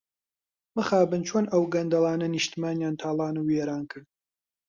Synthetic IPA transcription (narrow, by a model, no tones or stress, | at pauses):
mɨxaːbɨnt͡ʃʰoːnʔɐwɡɐnd̪ɐlˠɑːnɐnɨʃt̪imaːnjaːnt̪ʰaːlˠɑːnuwjeːɾaːnkʰɨɾd̪̚